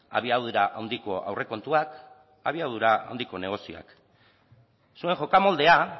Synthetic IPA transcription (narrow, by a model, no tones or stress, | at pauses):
a̰β̞iawðuɾaʔawnd̪iko̞a̰wrʔe̞ko̞nt̪uak | aβiawðuɾaa̰wnd̪iko̞ne̞ɣ̞o̞sioa̰k | sue̞ŋxo̞kamo̞ld̪e̞a